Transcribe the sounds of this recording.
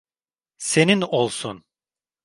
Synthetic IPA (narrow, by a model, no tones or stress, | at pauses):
se̞ninolˠsun